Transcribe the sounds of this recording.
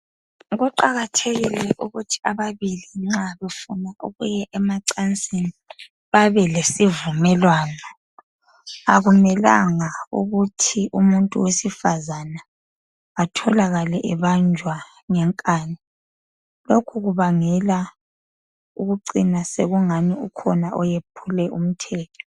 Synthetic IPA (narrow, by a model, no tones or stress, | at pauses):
ɣuǃaɣatʰeɣilɛʔuɣutʰi̥aβaβiliŋ͡ǁaβefunaʔuɣujɛʔɛmaǀant͡sʼini | βaβɛlesivumɛlwaːnɔ | aɣumɛla̰ŋaṵɣutʰiʔumuntʼṵwesifazana | atʰɔlaɣalɛʔɛβand͡ʒʱwa | ŋɛŋkʼaːnɛ | lokʰuɣuβaŋɛla | uɣuǀinaseɣuŋaniukʰɔnaʔɔjepʰulɛʔum̩tʰɛːtʰɔ̥